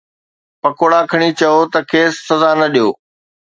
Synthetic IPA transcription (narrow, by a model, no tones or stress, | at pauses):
pɐkoːɽakʰɐɽ̃it͡ɕɐot̪ɐkʰeːsːɐzanɐɗijoː